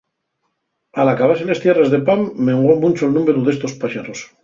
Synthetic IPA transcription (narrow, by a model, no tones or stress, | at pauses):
alakaβaselest̪je̞rezðepamːeŋɡomũt͡ʃoelnũmeɾuðe̞st̪o̞spaʃeɾos